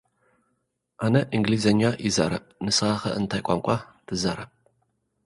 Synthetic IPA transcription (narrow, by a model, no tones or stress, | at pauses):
aːnɐʔiŋɡliːzɐnjaːʔizɐ̰ɾɐ̰p̚ʼnɨsɨʁaːχɐ̰ʔɨntʰaːjkʷʼa̰mkʷʼɑtʰɨzɐɾɐp